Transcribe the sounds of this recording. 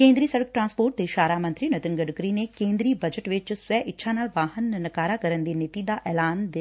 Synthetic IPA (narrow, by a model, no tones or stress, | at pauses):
kẽːnd̪ɾiːsəɽək̚ʈɾãːnspoːʈ̚t̪eːʃaːɾaːmənt̪ɾiːnət̪ɪnɡəɖkɾiːnekẽːnd̪ɾiːbəd͡ʒəʈʋɪt͡ʃsʊwɛːʔɪtːʃʰaːnaːlʋaːɦənːəkaːɾaːkəɾənd̪eːnɪt̪iːd̪aːʔɛːlaːnd̪ɪ